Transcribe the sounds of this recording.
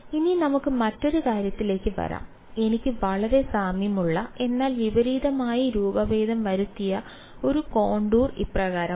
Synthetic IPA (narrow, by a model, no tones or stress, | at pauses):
ininɐmukːɨmɐtːo̞ɾukaːɾjɐt̪ːile̞ːkːɨʋɐ̰ɾa̰ːm | e̞nikʲːɨʋɐɭɐɾe̞saːmjɐmuɭːɐe̞nːaːlʋiʋɐɾiːd̪ɐmaːjiɾuːbɐʋeːd̪ʱɐmʋɐɾut̪ːijɐ | o̞ɾuko̞ːɳɖuːrḭprɐɣaːɾɐ